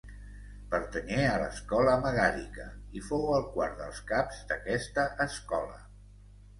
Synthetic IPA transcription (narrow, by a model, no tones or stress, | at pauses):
pəɾt̪ənɛələ̰skɔləməɣaɾikəifowəlˠkwaɾðə̰lˠskapz̥d̪əkɛst̪əʔəskɔlə